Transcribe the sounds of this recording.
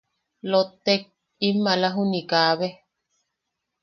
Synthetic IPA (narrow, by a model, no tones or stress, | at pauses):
lot̪ːek̚ | imːalaɦunikaːβe